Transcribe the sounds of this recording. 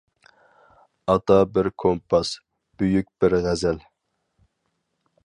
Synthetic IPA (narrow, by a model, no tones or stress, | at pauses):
ɑt̪ʰɑbɪɾkʰompʰɑs | b̥yjyk̚ʲb̥ɪɾʁæzɛl